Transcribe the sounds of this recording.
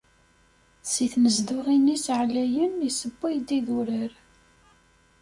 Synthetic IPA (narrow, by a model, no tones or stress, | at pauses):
siθnəzd̪ʊʁinisʕlæjənisəbːijd̪iðʊɾəɾ